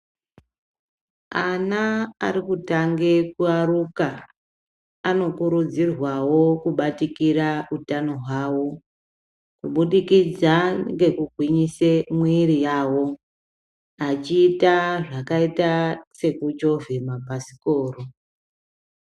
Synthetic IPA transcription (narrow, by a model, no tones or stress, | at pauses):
anaa̰ɾikutaŋɡekuaɾuka | no̞kuɾud͡zirwawo̞kuɓatikiɾautano̞ɦwaːwo̞ | kuɓuɗikid͡zaŋɡe̞kuɡʱwiɲisemwirijaːwo̞ | at͡ʃiːtaʐakaitase̞kud͡ʒo̞vʱemabʱasi̥ko̞ːro